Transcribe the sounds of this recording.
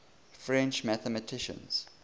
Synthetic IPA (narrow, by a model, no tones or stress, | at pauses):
fɹɛ̃nt͡ʃmæθəmətʰɪʃə̰̃nz̥